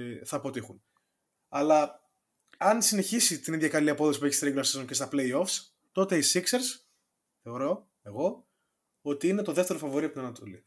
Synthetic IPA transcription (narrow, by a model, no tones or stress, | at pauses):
θɐːpo̞t̪ixun | ɐlɐ | ɐnsine̞çisit̪iniðʝɐkɐliɐpoðo̞si̥pueçist̪ɾeiɡlɐsizoncest̪ɐple̞io̞fs | t̪o̞t̪e̞isikseɾs | θe̞oɾo̞ | e̞ɣo̞ | o̞t̪iine̞t̪o̞ðe̞ft̪eɾo̞fɐvo̞ɾiɐpot̪nɐnɐt̪oli